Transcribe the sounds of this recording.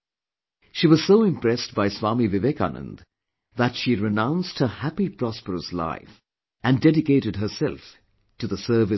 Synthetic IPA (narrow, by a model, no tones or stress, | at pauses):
ʃiwʌz̥soʊɪ̃mpɹ̥ɛstb̥aɪswɑmivɪvɛka̰nə̰̃nd | ðətʃiɹɪnãʊ̃nst̚hə˞hæpipʰɹ̥ɔspəɹəsla̰ɪf | ɨ̃ndɛɾɨkeɪɾɨd̚ɦə˞sɛlˠf | tɨðəsɜ˞vɨ